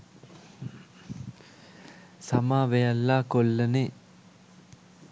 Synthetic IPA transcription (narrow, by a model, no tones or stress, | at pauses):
samaːʋejɐlːaːkolːɐne